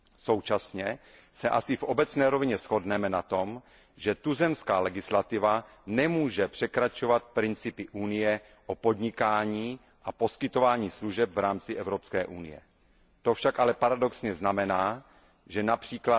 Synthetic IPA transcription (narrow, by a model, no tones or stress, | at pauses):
so̞wt͡ʃasɲɛ | sɛʔa̰sɪfʔobɛt͡snɛːɾovɪɲɛsxo̞dnɛmɛnat̪o̞m | ʒɛt̪uzɛmskaːlɛɡɪslat̪ɪvanɛmuːʒɛpr̝̥ɛkɾat͡ʃo̞vat̪̚pɾɪnt͡sɪpɪʔunɪjɛ | ʔopo̞d̪ɲɪkaːɲiː | ʔapo̞skɪt̪o̞vaːɲiːsluʒɛpvɾaːmt͡sɪʔɛvɾopskɛːʔṵnɪ̰jɛ̰ | t̪ofʃakʔalɛpaɾadoksɲɛznamɛnaː | ʒɛnapr̥iːkla